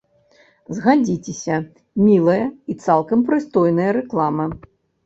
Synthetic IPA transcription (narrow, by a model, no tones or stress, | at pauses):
zɣad͡zʲit͡sʲesʲɐ | mʲilˠɐjɐit̪salˠkɐmpɾɨst̪ɔjnɐjɐɾɛklˠamɐ